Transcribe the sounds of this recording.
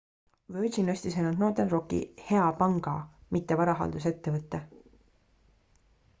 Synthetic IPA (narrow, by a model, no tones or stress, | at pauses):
vød͡ʒinøsʲt̪isejnult̪no̞ːt̪enro̞kḭhe̞ɑpɑŋɡ̥ɑmit̪ːe̞vɑɾɑɦɑ̰ld̪us̬e̞t̪ːe̞vɤt̪ːe